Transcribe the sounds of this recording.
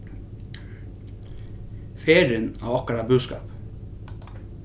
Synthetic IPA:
feːɾənæ̰ːɑkəɾɑbʉːskɑ̰ːp

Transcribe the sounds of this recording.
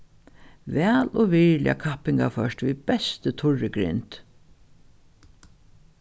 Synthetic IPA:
vɛːlɔvɪɹlj̰a̰kʰapɪŋkafœʃt̪vibɛst̪ət̪ʰʊɹɪɡɾɪ̰nt̪

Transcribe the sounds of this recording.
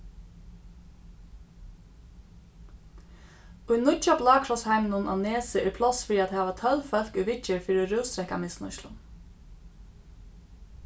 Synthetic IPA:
ʊjnʊt͡ʃaplɑːkʰɾɔshaɪmɪnʊnʔa̰neːsəʔɪpʰlɔsfɪɾiat̪hæːʋat̪ʰœlfœl̥kʏʋɪt͡ʃəɹfiːɾiɔɾʉːst̪ɾɛhkamɪsnʊ̰ʃlʊ̰n

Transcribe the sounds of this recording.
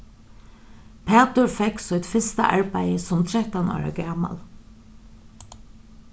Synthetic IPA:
pʰɛːt̪ʊɹfɛksɔjt̪fɪst̪a̰ʔa̰ɹpæɪəsɔmt̪ʰɹɛht̪anɔ̰ːɹa̰ɡaːma̰l

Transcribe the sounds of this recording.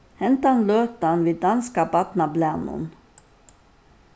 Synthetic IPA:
hɛnt̪əɑnløːt̪ɑnʋiːd̪ɑnskɑbɑt̪nɑblænṵn

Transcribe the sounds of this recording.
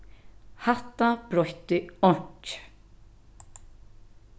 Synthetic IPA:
haht̪ːab̥ɾɔht̪ɪɔɲ̥t͡ʃ

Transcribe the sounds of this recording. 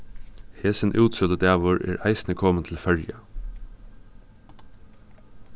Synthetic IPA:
heːsənʔʉːt̪sœd̪əd̪æːʋʊɹʔḛːɹʔæ̰ɪsnəkʰɔːmənt̪ʰl̩fœɹjə

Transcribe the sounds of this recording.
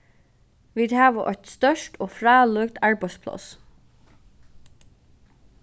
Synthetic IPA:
ʋiːd̪hæːʋəʔɔʏt̪st̪œʂʈoːfɾɑːlœːkt̪aɹbaɪspʰlɔ̰s

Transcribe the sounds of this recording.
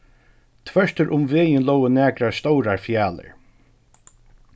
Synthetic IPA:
t̪ʰvœʂt̪əɾʔʊmveːjənlɔwənæːkɾaɹst̪ɔwɾaɹfjaːlə̰ɹ

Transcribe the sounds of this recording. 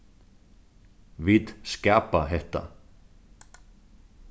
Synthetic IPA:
viðscaːpaɦɛht̪a̰

